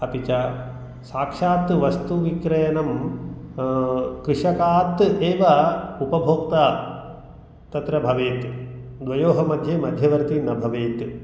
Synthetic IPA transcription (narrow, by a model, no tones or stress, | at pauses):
ɐpit͡ʃɐ | saːkʂaːt̪ʋɐst̪uʋikɾɐjɐnɐm | kɾɨʂɐkaːt̪eːʋɐupɐbʱoːk̚t̪a | t̪ɐt̪ɾɐbʱɐʋeːt̪d̪ʋɐjoːɦɐmɐd̪ʱjeːmɐd̪ʱjɐʋɐɾt̪inɐbʱɐʋeːt̪